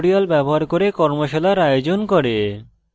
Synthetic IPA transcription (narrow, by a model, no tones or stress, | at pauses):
ɽialbɛboɦaɾkoɾekɔɾmoʃelaɾajod͡ʑonkoɾe